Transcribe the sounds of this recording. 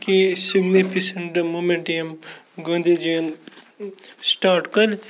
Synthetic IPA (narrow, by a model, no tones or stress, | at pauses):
kisiɡnifisɐɳʈmoːmẽɳʈem | ɡõːnd̪id͡ʒeːn | sʈaːɾʈkɐl